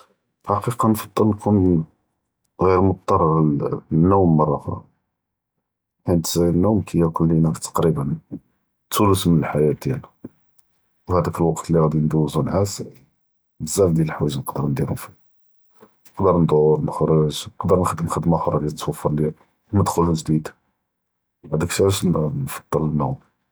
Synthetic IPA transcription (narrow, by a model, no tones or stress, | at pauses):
ħɑqiqɑnfɑd̪ˤːəlnkʰʊn | ɣiɾmʊt̪̚t̪ˤːɑrˤːɑɾnːuwmːɑrˤːɑxɾˤɑ̰ | ħint̪nːumkʰəjːækʊlːinæt̪ɑ̥qɾibən | t̪ːuləsmənəlħajæd̪jæl | whæd̪ækəlwɑqt̪liɣæd̪ind̪uwzunʕas | bəzːæfd̪jæləħwæʒnəqd̪əɾnd̪iɾʊmfi | nəqd̪əɾˤnd̪ˤʊɾnəxɾˤəʒnəqd̪əɾnxəd̪əmxəd̪mæxɾˤɑɡit̪ːwɑfːɑɾˤljæ | wmæd̪xʊlhuʒd̪id̪ | bad̪əkʃæʃnfɑ̥d̪̥ˤːələnːuwm